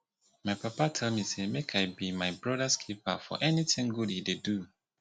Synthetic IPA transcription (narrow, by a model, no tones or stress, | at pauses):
maɪpʰapatʰɛlˠmisemekʰaɪbimaɪbɹɔdaskʰip̚a̰fɔ̰ʔɛnitɪ̃ŋɡudhidedu